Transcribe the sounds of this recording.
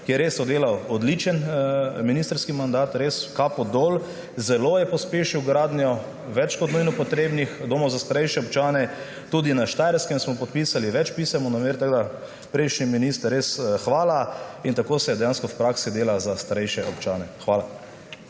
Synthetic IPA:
kijɛɾeːsɔd̪eːlawɔd̪lit͡ʃənminist̪ɾskimand̪aːt̪ɾeːskapɔd̪ol | zɛloːjɛpɔspeːʃiwɡɾaːd̪njɔ | ʋɛt͡ʃkɔt̪nujnɔpɔt̪ɾeːbnixd̪oːmɔwzast̪aɾɛjʃɛɔpt͡ʃaːnɛ | t̪uːd̪inaʃt̪ajɾskɛmsmɔpɔt̪̚piːsaliʋɛt͡ʃpisɛmɔnameɾt̪aɡd̪a | pɾɛɪʃniminist̪ɾesxʋaːlaint̪akoːsɛjɛd̪ɛjanskɔwpɾaːksid̪eːlazast̪aɾɛjʃɛɔpt͡ʃaːnɛxʋaːla

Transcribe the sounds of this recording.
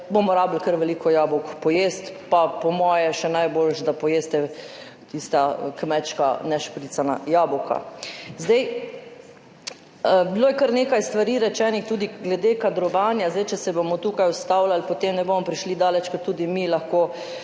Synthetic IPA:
bomɔɾaːbl̩kəɾʋɛliːkɔjaːbɔkpɔjeːst̪papɔmɔːjɛʃɛnajbolʃd̪apɔjeːst̪ɛ | t̪ist̪akmɛt͡ʃka̰nɛʃpɾit̪sana̰jaːbɔkʰa̰zd̪ɛj | biloːjɛkəɾneːkajst̪ʋaɾiɾɛt͡ʃɛnixt̪uːd̪iɡlɛd̪eːkad̪ɾɔʋaːnjazd̪ɛjt͡ʃɛsɛbomɔt̪uːkajʊst̪aːwlalpot̪emnɛbomɔpɾiʃlid̪aːlɛt͡ʃkɔt̪ːuːd̪imilaxkoː

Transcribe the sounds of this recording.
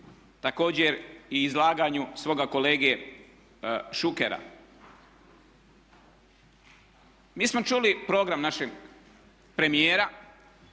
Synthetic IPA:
t̪ako̞ːd͡ʑeɾiːzlˠaːɡaɲusʋo̞ːɡako̞leːɡie | ʃukeɾa̰ | miːsmo̞t͡ʃulipɾo̞ɡɾamnaʃeɡ | pɾe̞mijeːɾa

